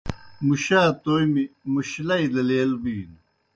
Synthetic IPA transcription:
muɕaːt̪oːjmimuɕlɐid̪ɐleːlbiːn

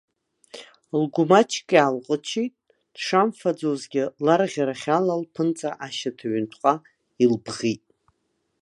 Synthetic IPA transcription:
lɡʷʊmat͡ʃʰkʼalqʼət͡ʃʰitʼ | d̥ʂamfad͡zozɡʲɪlarʁʲaɾaχʲalalpʰɨnt͡sʼaʔaʃatʰaɥʏntʷʰqʷʼa | ilbʁitʼ

